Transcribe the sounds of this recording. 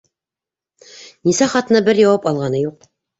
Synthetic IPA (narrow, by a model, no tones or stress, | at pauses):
nisæχɑt̪ɤ̆nɑbɘɾjɑwɑpɑlˠʁɑnɤjuq̚